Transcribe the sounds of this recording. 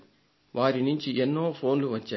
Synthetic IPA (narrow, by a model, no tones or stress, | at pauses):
ʋʔaːɾinuɲt͡ʃienːo̞ːpʰoːnluʋɐt͡ʃːaː